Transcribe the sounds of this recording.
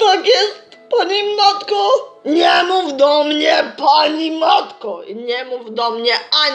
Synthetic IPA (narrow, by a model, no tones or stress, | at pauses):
t̪akɛspanimat̪kɔɲɛmuvd̪ɔmɲɛpanimat̪kɔḭɲɛmuvd̪ɔmɲʲɛa